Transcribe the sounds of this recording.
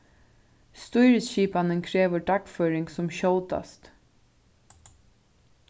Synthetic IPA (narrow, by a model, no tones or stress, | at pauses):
st̪ɔʏɾəsɕiːpɑnənkʰɹeːʋəɖɑkføːɾɪŋɡsɔmɕoʊt̪a̰st̪